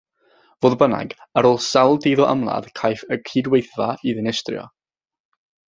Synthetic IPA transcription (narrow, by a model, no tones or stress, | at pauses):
v̥oːðbəna̰ɡaɾoːlˠsalˠdejðɔʔə̰mlˠa̰ðkʰajθəkʰiːdwejθvaiðɪnɛstrjɔ̰